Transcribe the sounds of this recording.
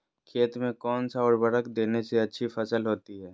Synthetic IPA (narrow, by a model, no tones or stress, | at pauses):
kʰeːt̪mẽkɔːnsaɔːɾbɐɽəkd̪eːneseɐtːʃʰifʰɐsəlɦoːt̪iɦɛː